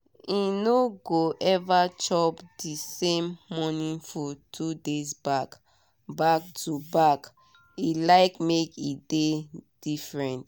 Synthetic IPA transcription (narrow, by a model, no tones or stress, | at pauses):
inoɡoʔɛvat͡ʃɔpdisẽmːɔnĩŋfɔtʰudezbak | bak̚tʰubak | ilaɪkmekided̥ifɹɛ̃nt